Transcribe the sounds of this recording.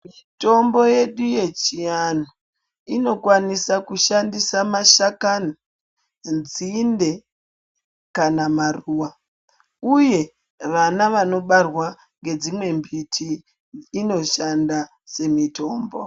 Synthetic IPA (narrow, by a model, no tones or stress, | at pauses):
mito̞mbo̞je̞ɗuje̞t͡ʃijano | ino̞kwanisakuʃandisamaʃakani | d͡zinde̞ | kanamaruːwa | uje̞ | ʋanaʋano̞ɓarwa | ŋɡe̞d͡zimwe̞mbitʰiː | no̞ʃanda | se̞mito̞ːmbo